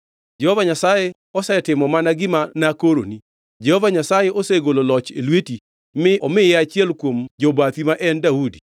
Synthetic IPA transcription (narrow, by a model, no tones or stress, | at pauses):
d͡ʒɛhovaɲasaje | ɔsɛtɪmɔmanaɡɪmanakoɾo̰ni | d͡ʒɛhovaɲasajeʔoseɡololɔt͡ʃelweti | mɪʔɔmɪjɛat͡ʃɪɛlkwomd͡ʒobat̪imaʔɛndaudi